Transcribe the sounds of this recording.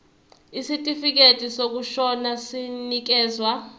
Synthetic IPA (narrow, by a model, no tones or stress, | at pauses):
isitʼifik̬etʼisok̬uʃɔnasinik̬ɛːzwa